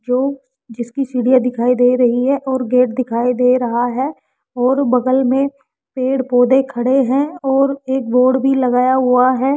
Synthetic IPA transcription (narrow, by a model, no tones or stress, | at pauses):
d͡ʒoː | d͡ʒɪskisiːɽijad̪ɪkʰaːid̪eːɾɐɦiɦɛʔɔːɾɡeːʈ̚d̪ɪkʰaːid̪eːɾɐɦaɦɛː | ɔːɾbɐɡəlmẽ | peːɽpoːd̪ekʰɐɽeɦɛ̃ɔːɾeːk̚boːɾɖbʱilɐɡaːjaɦʊaɦɛː